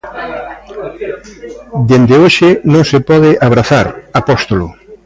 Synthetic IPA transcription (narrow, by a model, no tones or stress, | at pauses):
d̪end̪eoʃɪnõŋsepɔðɪʔaβɾaθaɾapɔst̪olʊ̰